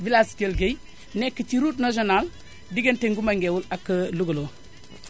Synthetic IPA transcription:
vilaskelɡej | nekːət͡ʃiɾutnaʃ̬onal | diɡenteŋɡumaŋɡewulakːəluɡolo

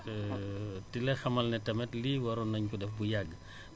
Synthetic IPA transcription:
tilɛxɐmɐlnɛtɐmɛtliwɐɾɔnɐɲkudɛfbujaɡː

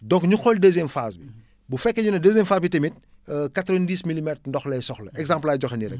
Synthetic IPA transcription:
dɔŋkɲuxɔldɛzjɛmfaːsbi | bufɛkːɐɲunɐdəzjɛmfaːsbitemit̚ | katɾɐndiːsmilimɛtrndɔxlɛjsɔxlɐʔɛɡzãmplaːjɟɔxɛniɾɛ̰k

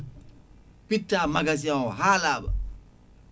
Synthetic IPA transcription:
pitːaːmaɡas̬iãwɔɦaːlaːba̰

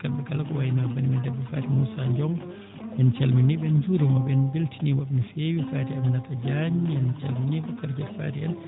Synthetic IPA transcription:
kaɓɛkalakɔwajinaabanimɛdɛbɛfa̰ːtimusaɲd͡ʒɔm | ɓɛnt͡ʃalminiɓɛnd͡ʒuɾumabɛnbiltinimaɓɛnifewifaːtiaminatad͡ʒaɲiant͡ʃalminiɓɛkaɾd͡ʒɛtfa̰ːtia̰n

